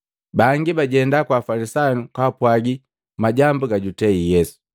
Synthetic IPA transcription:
baːŋɡibaɟɛndakwaːfalisanukaːpwaɡi | maɟambuɡaɟutɛijɛsu̥

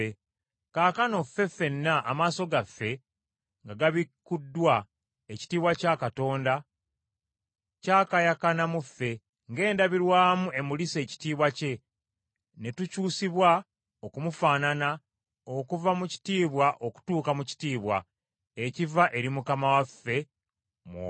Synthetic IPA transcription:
e | kaːkano̞fːe̞fːe̞nːaʔːmaːso̞ɡafːe̞ | ŋɡaɡaβikːudːwa | eci̥tiːβwacakato̞ːnda | cakajakanamufːe̞ | ŋɡe̞ːndaβiɾwaːmue̞mulise̞ːci̥tiːβwace̞ | ne̞tucuːsiβwa | o̞kumufaːnana | o̞kuvamuci̥tiːβwaʔo̞ku̥tuːkamuci̥tiːβwa̰ | ecivaʔe̞ɾimukamawafːe̞ | m̰

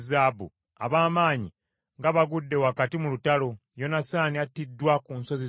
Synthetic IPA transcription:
zaːbṵ | a̰βaːmaːɲi | ŋɡaβaɡudːe̞wakatimulutalo̞ | jo̞nasaːniatːidːwakunso̞zi

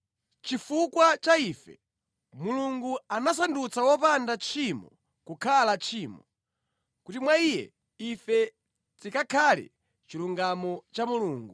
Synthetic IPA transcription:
t͡ʃifukwat͡ʃaiːfɛ̰ | muluŋɡuanas̬andut͡sawɔpandat͡ʃʰimɔ̰ | kukʰalat͡ʃʰiːmɔ | kutimwaijɛ̰ | ifɛ | t͡sikakʰalḭ | t͡ʃiluŋɡamɔt͡ʃamuluːŋɡu

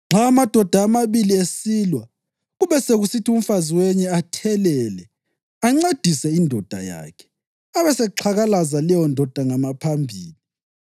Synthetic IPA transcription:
ŋ͡ǁʱamad̥ʱɔd̥ʱaːmaβiliesilwa | ɣuβɛseɣusitʰium̩faziwɛɲɛatʰɛlɛlɛ | aŋ͡ǀed̥ʱisɛindʱɔd̥ʱa̰ja̰ːkʰɛ̥ | aβɛsɛǁʰaɣalazalɛjɔndʱɔd̥ʱaŋamapʰambʱiːli

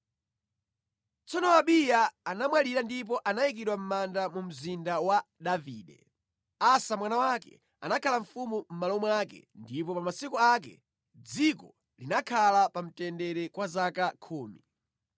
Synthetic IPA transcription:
t͡sɔnɔaɓijaːnamwaliɾandip̬ɔʔanajik̬iɗwam̩mandamum̩zindawaɗaviːɗɛ̰ | asamwanawakɛ̰ | a̰nakʰalaɱ̩fumum̩malɔmakɛ̰ndip̬ɔpamasikɔak̬ɛ̰ | d͡zikɔ̰ | linakʰalapam̩tɛndɛɾɛkwazakakʰuːmi

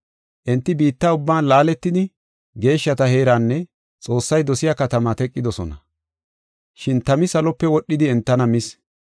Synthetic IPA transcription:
ʔɛnt̪ːɪbiːt̪ːaːʊbːaːnlaːlɛt̪ːɪd̪ɪ | ɡe̞ːʃːɐt̪ɐhe̞ːɾaːnːɛ | t͡sʼo̞ːsːɐjd̪ɔsɪjaːkɐt̪ɐmɐt̪ɛkʼːɪd̪ɔsɔ̰nɐ | ʃɪnt̪ɐmɪsɐlɔpːɛwɔɗːɪd̪ɪɛnt̪ːɐnɐmɪs

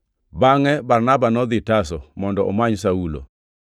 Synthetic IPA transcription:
baŋɛbarnabanɔd̪ɪtasɔmɔndɔʔɔ̰maɲsaulo̰

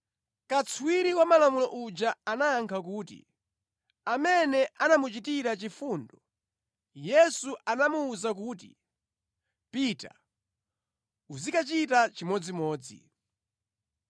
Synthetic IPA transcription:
kat͡sʰuwiɾiwamalamulɔʔud͡ʒaːnaːŋkʰakuːtḭ | amɛnɛʔanamut͡ʃitiɾat͡ʃifuːndɔ | jɛsuʔanamuːzak̬uːtḭ | pita̰ | uzikat͡ʃitat͡ʃimɔd͡zimɔːd͡zḭ

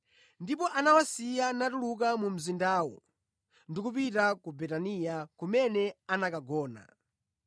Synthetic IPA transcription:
ndipɔʔanawasijanatulukamum̩zindaːwɔ̰ | ndikup̬itakubɛtanijakumɛnɛanakaɡɔːna̰

